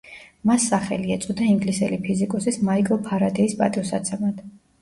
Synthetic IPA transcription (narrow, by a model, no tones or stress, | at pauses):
masːaχɛ̰liat̪sʼɔd̪aiŋɡlisɛlipʰizikʼɔsismaikʼɔlˠpʰaɾad̪ɛisbʼa̰t̪ʼisa̰t̪sʰɛmad̪̥